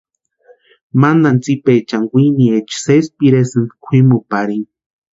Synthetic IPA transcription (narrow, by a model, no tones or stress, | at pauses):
mand̪ant͡sipet͡ʃaŋɡʷiniet͡ʃsespiɾesɨnd̪kʷʰimupaɾin